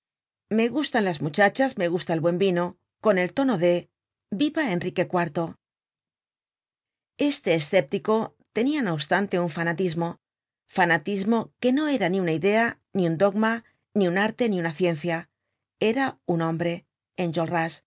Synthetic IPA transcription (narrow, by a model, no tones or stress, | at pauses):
me̞ɣust̪anlazmut͡ʃat͡ʃazme̞ɣ̞ust̪aelβwe̞mbino̞ | ko̞ne̞lt̪o̞no̞ðe̞ | biβae̞nrike̞kwaɾt̪o̞ | e̞st̪e̞ːsθe̞p̚t̪iko̞ | t̪e̞niano̞βst̪ant̪e̞uɱfanat̪izmo̞ | fanat̪izmo̞ke̞no̞e̞ɾaniunaiðe̞a | niund̪o̞ɡma | niunaɾt̪e̞niunaθje̞nθja | e̞ɾaunõ̞mbɾe̞ː | nd͡ʒolras